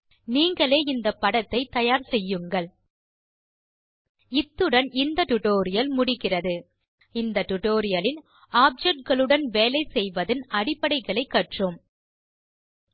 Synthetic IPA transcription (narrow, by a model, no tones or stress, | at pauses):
niːŋɡɐɭeːɪnd̪ɐpːɐɽɐt̪ːɐɪt̪ɐjaːɾsɛjːɯŋɡɐɭ | ɪt̪ːɯɽɐnɪnd̪ɐʈʊʈoːɾɪjɐlmʊɽɪɣɪrɐðɯ | ɪnd̪ɐʈʊʈoːɾɪjɐlɪn | aːb̚d͡ʒɛʈ̚ɡɐɭɯɽɐnʋeːlɐɪsɛjʋɐðɯnɐɽɪpːɐɽɐɪɣɐɭɐɪkːɐʈrɯm